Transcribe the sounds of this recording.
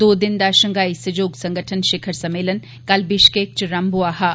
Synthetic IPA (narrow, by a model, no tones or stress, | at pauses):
d̪oːd̪ɪnd̪aːʃɐŋɡaːisɐd͡ʒoːɡsɐ̃ŋɡəʈʰənʃekʰɐɾsɐmeːlɐn | kɐlbiʃkeːk̚t͡ʃɾɐmbuaːɦɐ